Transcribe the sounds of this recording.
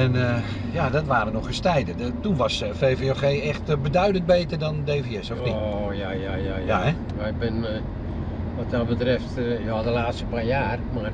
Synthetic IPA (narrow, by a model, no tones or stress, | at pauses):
ɛnə | jadɔtʋaːrənɔxəstɛjdətunʋɔsfeːfeoxeːɛxtbədœɥdənt̚beːtərdɔndeːfiɛsɔfnijajajajjaɛ | jaɪbɪn | ʋɔt̚abətrɪftjoadəlaːtstəpaːjaːrmar